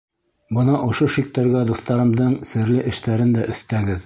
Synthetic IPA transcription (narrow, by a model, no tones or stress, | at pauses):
bɤnɑʔŏʃoʃik̚t̪æɾɡæd̪uθt̪ɑɾɤ̆md̪ɤɴsɘ̆ɾlɘʔɘ̆ʃt̪æɾɘnd̪æʔɵ̆θt̪æɡɘð